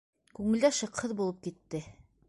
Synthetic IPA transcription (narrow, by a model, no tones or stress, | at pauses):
kʉŋɘ̆ld̪æʃɤ̆qhɤðbulˠɤp̚kit̪ːɘ